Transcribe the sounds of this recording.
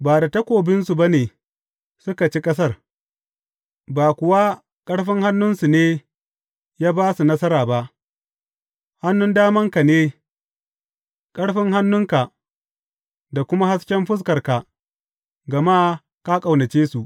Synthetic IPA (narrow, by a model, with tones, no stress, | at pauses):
baː˨da˨tɐ˦kʷoː˨bɪ˦nsu˨ba˦neː˨ | sʊ˦ka˨t͡ʃi˦kʼɐ˦s̬ɐ˦˨r | baː˨kʷʊ˨wa˦ | kʼɐ˦ɽɸɪ˦ŋha˦nːʊ˦nsu˨neː˦ | jaː˦baː˦su˨nɐ˦sɐ˦ɾaː˨ba˦ʔ | ha˦nːʊ˦ndaː˦mɐ˦ŋka˨neː˦ | kʼɐ˦ɽɸɪ˦ŋɦa˦nːʊ˦ŋka˨ʔ | da˨kʷʊ˦ma˦ha˦skʲɛ˦mɸʊ˦s̬kɐ˨rka˨ | ɡɐ˨maː˦ | ka˦kʼa˨wnɐ˨t͡ʃeː˦su˨ʔ